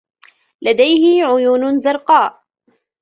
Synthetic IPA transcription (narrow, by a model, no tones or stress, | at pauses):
lad̪ajhɪʕʊjuːnzɑɾˤqɑːʔ